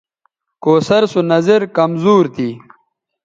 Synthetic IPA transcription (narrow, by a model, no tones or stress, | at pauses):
koːsɐɾsunɐzeɾkɐmzuːɾt̪ʰiː